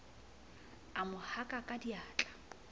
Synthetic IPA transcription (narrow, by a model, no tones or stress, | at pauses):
amʊhakʼakʼadiaːt͡ɬʼḁ